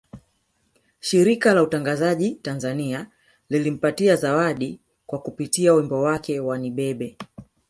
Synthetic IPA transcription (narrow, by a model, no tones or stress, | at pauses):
ʃiɾikalautaŋɡazaʄitanzania | lilim̩patiazawaɗi | kwakupitiawimbɔwakɛwaniɓɛɓɛ